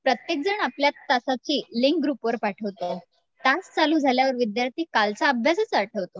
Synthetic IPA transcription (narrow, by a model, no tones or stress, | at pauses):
pɾət̪jek̚d͡zəɳapljat̪ːasat͡ɕiːliŋkɡɾupʋəɾpaʈʰəʋt̪o | t̪ast͡saluːd͡zʱaljaʋəɾʋid̪jaɾt̪iːkalt͡saəbʱjasət͡saʈʰəʋt̪o